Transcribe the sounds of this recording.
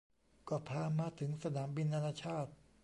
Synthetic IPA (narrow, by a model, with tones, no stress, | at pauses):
kɔː˧˩pʰaː˧maː˧t̪ʰɯ˩˦ŋsa˧naː˩˦mbi˧nːa˧naː˧t͡ɕʰaː˥˩t̪̚